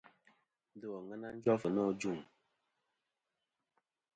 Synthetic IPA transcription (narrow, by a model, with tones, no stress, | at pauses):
n˦də˦ɔ˨ŋə˦na˦n̩˦d͡ʒɔ˦fə˨nɔ˦˨d͡ʒu˦˨ŋ